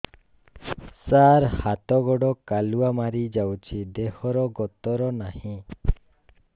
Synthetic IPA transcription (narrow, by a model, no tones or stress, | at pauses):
saɾhat̪ɔɡɔɽɔkaluamaɾid͡ʒawt͡ʃʰid̪ehɔɾɔɡɔt̪ɔɾɔnahĩ